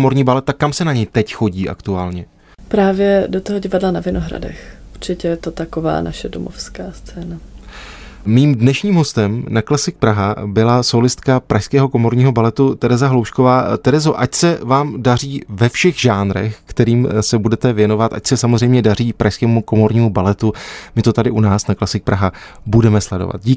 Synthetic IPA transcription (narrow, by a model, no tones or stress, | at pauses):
mo̞ɾɲiːbalɛt̪̚t̪akːamsɛnaɲɛjt̪ɛcxo̞ɟiːʔa̰kt̪uaːlɲɛ | pɾaːvjɛdot̪oɦoɟɪvadlanavɪnoɦɾa̰dɛ̰xʔuɾt͡ʃɪcɛjɛt̪ot̪akova̰ːnaʃɛdo̰mo̰fskaːst͡sɛːna | miːmdnɛʃɲiːmɦo̞st̪ɛmnaklɛsɪk̚pɾaɦabɪlasolɪst̪kapɾaʃskɛːɦo̞ko̞mo̞ɾɲiːɦo̞balɛt̪ut̪ɛɾɛzaɦlowʃkovaːt̪ɛɾɛzo̞ʔacsɛvaːmdar̝iːvɛfʃɛxʒaːnɾɛ̰xkt̪ɛɾiːmsɛbudɛt̪ɛvjɛno̞vat̪ʔa̰csɛsamozrɛjmɲɛdariːpɾaʃskɛːmuko̞mo̞ɾɲiːmubalɛt̪umɪt̪o̞t̪adɪʔunaːsnaklasɪk̚pɾaɦa | budɛmɛslɛdo̰va̰t̪̚ɟiː